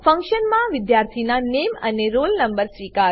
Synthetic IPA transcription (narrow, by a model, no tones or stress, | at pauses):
fə̃ŋkʃənmãʋɪd̪jaɾt̪ʰinaneməneɾolnəmbəɾsʋika